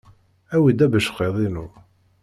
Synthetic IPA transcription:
æwid̪æbəʃqːeðˤinu

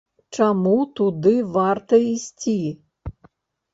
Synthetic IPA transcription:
t͡ʃɐmut̪ʊd̪ɪʋɑrt̪ɐisʲtʲi

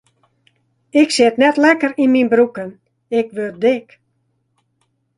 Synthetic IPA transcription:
ɪksɪtnɛtlɛkərinminbrukən | ɪkʋøt̚dɪk

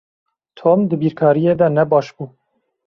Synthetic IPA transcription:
t̪ʰoːmd̪ɨbiːɾkʰɑːɾijeːd̪ɛnɛbɑːʃbuː

